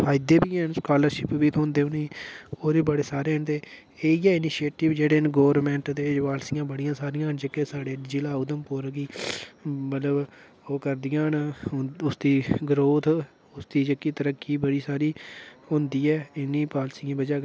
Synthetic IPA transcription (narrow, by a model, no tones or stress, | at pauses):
pʰaːjɪd̪eːbiːɛnskaːləɾʃɪpʋiːt̪ʰõːnd̪eːʊniːoːɾiːbəɽeːsaːɾeːənt̪eː | eːiːɛːɪniʃeːʈɪʋd͡ʒeːɽeːnɡoːʋɾmɛ̃ːɳʈt̪eːʋaːlsɪjãːbəɽijãːsaːɾɪjãːnd͡ʒeːkesaːɽeːd͡ʒɪlaːʊd̪əmpʊːɾɡiː | mət̪ləb | oːkəɾd̪ɪjãːnʊsd̪iːɡəɾoːt̪ʰ | ʊsd̪iːd͡ʒəkːiːt̪əɾəkːiːbəɽiːsaːɾiːɦʊ̃nd̪iːɛːɪnːĩːpaːlsijãːbəd͡ʒaː